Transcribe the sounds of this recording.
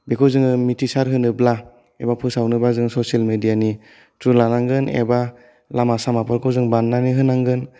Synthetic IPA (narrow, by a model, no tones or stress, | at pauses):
bekʰɔwzɯŋɯmitisaɾɦɯnɯbla | ḛbapʰɯsawnɯbazɯŋsɔsialmedijani | tɾulanaŋɡɯnḛba | lamasamapʰɔɾkʰɔwzɯŋbanːaniɦɯnaŋɡɯn